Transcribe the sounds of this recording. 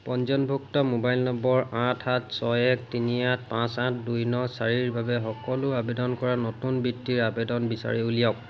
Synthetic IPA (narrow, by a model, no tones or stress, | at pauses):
pɔnzɔnbʱuk̚tɔmobajlnɔmbɔɹãtʰatsɔɛktiniãt̚ʰpãsãtʰdujnɔsaɹiɹbabɛxɔkɔlʊabedɔnkɔɹanɔtunbitːiɹabedɔnbisa̰ɹiulijɔk̚